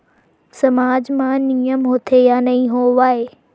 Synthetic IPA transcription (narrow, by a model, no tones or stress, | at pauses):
sɐmaːd͡ʑmãnijəmɦʊt̪ʰejaːnɐĩɦoʋaːɦeː